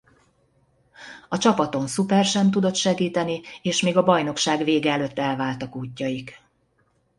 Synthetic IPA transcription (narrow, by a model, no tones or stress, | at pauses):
ɒt͡ʃɒpɒt̪o̞nsupɛrʃɛmt̪ud̪o̞t̪ʃɛɡiːt̪ɛnieːʃmeːɡɒbɒjno̞kʃaːɡveːɡɛːløt̪ːɛlvaːlt̪ɒkuːcːɒjik